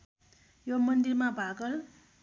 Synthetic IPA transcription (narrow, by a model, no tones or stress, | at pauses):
jomʌnd̪irmabʱaɡʌl